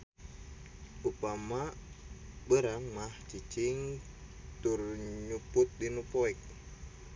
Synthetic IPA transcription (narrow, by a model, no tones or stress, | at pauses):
ʔupama | bəɾaŋmaht͡ʃit͡ʃiŋ | t̪urɲuput̪̚dinupoɛk̚